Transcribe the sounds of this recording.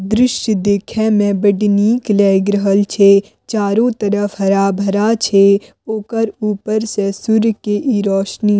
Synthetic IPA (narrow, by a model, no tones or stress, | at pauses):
d̪ɾɪʃjd̪eːkʰɛmɛ̃bəɖniːklɛːɡɾəɦəlt͡ʃʰe | t͡ʃaːɾõt̪əɾəfɦɐɾaːbʱɐɾat͡ʃʰe | oːkəɾuːpəɾsẽsʊɾkeʔiːɾɔːʃni